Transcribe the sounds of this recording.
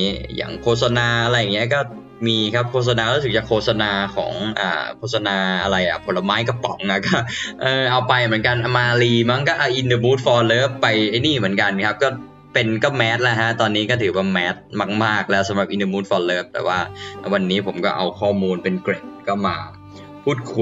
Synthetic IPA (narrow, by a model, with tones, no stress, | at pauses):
ja̰ː˨˩ŋkʰoː˥˩t̪̚sa˧naː˧ʔa˧ɾa˧jːa˨˩ŋːi˦˥ɐkɔː˥˩ | miː˧kʰp̚kʰoː˥˩t̪̚sa˧naː˧ɾu˦˥sɯ˨˩t͡ɕa˨˩kʰoː˥˩t̪̚sa˧naː˧kʰɔ̰ː˩˦ŋʔa̰ː˨˩kʰoː˥˩t̪̚sa˧naː˧ʔa˧ɾa˧jʔa̰˨˩pʰo˨˦la˧maː˦˥jkɔ˥˩pɔ˨˦ŋʔa˨˩kɔː˥˩ʔɤː˧ʔa˧wpa˧jmɯ˩˦ənka˧nʔa˧maː˧liː˧ma˦˥˩ŋka˥˩ʔa˧˩ʔi˧ndəː˧muː˦˥t̪̚fɔː˧nlɤː˦˥˩pːa˧jʔa˥˩jniː˥˩mɯ˩˦ənka˧nkʰa˦˥p̚kɔː˥˩ | pe˧nkɔː˥˩mɛː˦˥t̪̚lɛ˦˥ɦa˦˥ʔt̪ɔː˧nːiː˦˥kɔː˥˩t̪ʰɯː˩˦waː˥˩mɛː˦˥t̪̚maː˥˩k̚maː˥˩k̚lɛ˦˥wsa˨˦mɾa˨˩p̚ʔi˧ndəː˧muː˦˥t̪̚fɔː˧lɤː˦˥˩p̚t̪ɛ̰ː˨˩waː˥˩wa˧nːiː˦˥pʰo˩˦mkɔː˥˩ʔa˧wkʰɔː˥˩muː˧npe˧nkɾe˨˩p̚kɔ˥˩maː˧ | pʰuː˥˩t̪̚kʰu˧